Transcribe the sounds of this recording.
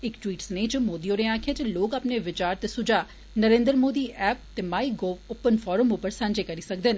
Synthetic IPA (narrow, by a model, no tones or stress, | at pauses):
ɪkʈwiːʈsneːt͡ʃəmoːd̪ioːɾeaːkʰẽːt͡ʃeloːkaːpneːʋɪt͡ʃaːɾt̪esʊd͡ʒaː | nəɾẽːnd̪ɾmoːd̪iːʔɛːp̚t̪eːmaːiːɡoːoːpːənpʰɔːɾəmopəɾsãɲd͡ʒeːkəɾiːsəkd̪ən